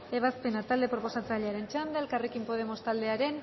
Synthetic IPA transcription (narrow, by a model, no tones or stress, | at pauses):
e̞β̞aspe̞nat̪ald̪e̞pɾo̞po̞sat͡seaʎeaɾe̞nt͡ʃand̪elkarekimpo̞ð̞e̞mo̞st̪ald̪e̞aɾe̞n